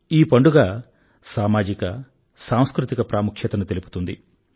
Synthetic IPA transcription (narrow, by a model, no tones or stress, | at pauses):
iːpɐɳɖuɡaː | saːmaːd͡ʒikɐ | saːw̃skɾut̪ikɐpɾaːmukʰjɐt̪ɐnut̪e̞lipu̥t̪und̪ḭ